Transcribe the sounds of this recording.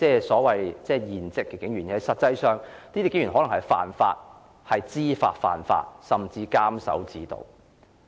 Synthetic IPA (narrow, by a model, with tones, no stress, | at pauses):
t͡sɛː˥sɔː˨˥wɐ˨jt͡sɛː˥˧jiː˨˩nt͡sɪ˨˧kːɛ˧kɪ˨˥ŋɥyː˨˩n˥˨hɐ˨˧jsɐ˨t̚t͡sɐ˧jsœː˨ŋt̪iː˥i˥kɪ˨˥ŋjyː˨˩nɦɔ˨˧˥lɐ˨˩ŋhɐ˨˩jfa̰ː˨nfa̰ː˧t̚ | hɐ˨jt͡siː˥fa̰ː˧t̚fa̰ː˨nfa̰ː˧t̚sɐ˨mt͡siː˧kaː˥msɐ̰˨˥wt͡siː˨˥t̪o̰˨w